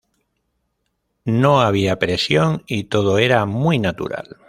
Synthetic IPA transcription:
nõaβ̞iapɾesjoŋit̪oð̞oeɾamujnat̪ṵɾa̰l

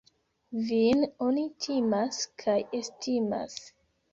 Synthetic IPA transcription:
vinonitʰimaskʰajestʰima̰s

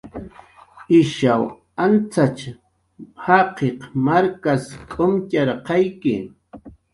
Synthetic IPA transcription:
ɪʃaw | ant͡sat͡ʃ | hɑqeqmaɾkaskʼomcaɾqɑjkɪ

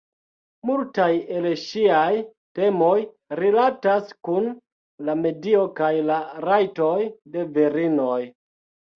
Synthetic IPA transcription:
multaje̞lʃiaj | te̞mo̞j | ɾilataskun | lame̞dio̞kajlaɾajto̞jde̞veɾino̞j

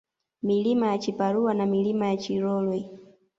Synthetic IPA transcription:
milimajat͡ʃipaɾuwanamilimajat͡ʃiɾɔlwɛ

